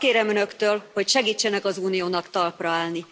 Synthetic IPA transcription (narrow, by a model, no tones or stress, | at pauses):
keːɾɛmønøkt̪øːlho̞cʃɛɡiːt͡ʃːɛnɛkɒzuːnijoːnɒkt̪ɒlprɒaːlni